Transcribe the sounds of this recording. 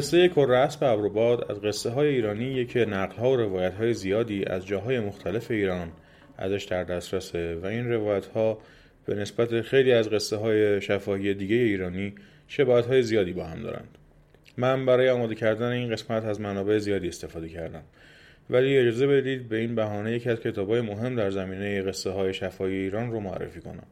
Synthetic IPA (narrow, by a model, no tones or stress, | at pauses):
esːejekʰorːeæsbeæbɾobɒːd̪æ̰zɢe̞sːe̞ɦɒːjeiːɾɒːniːjecʰenæɣlhɒːoɾe̞vɒːjæt̪hɒːje̞zijɒːd̪iːʔæ̰zd͡ʒɒːɦɒːje̞mo̞xt̪ʰæle̞fe̞iːɾɒːn | æ̰zæʃd̪æɾd̪æst̪ɾæse̞væinre̞vɒːjæt̪ʰhɒː | b̥e̞ne̞sbæt̪ʰe̞xejliːæzɣe̞sːeɦɒːjeʃæfɒːhiːje̞d̪iːɟe̞je̞iːɾɒːniː | ʃe̞bɒːæt̪hɒːje̞zijɒːd̪iːbɒːhæmd̪ɒ̰ːɾæ̰nd̪̥ | mænbæɾɒːjeɒːmɒːd̪ecʰæɾd̪æne̞iːnɣe̞smæt̪ʰæzmænɒːbe̞ezijɒːd̪iːe̞st̪e̞fɒːd̪e̞cʰæɾd̪æm | væliːe̞d͡ʒɒːze̞be̞d̪iːd̪̚be̞iːnbæɦɒːne̞je̞cʰiæzcʰe̞t̪ʰɒːbɒːje̞moɦe̞md̪æɾzæmiːne̞jeɣe̞sːeɦɒːje̞ʃæfɒːhije̞iːɾɒːnromoæ̰rːḛfiːkʰonæ̰m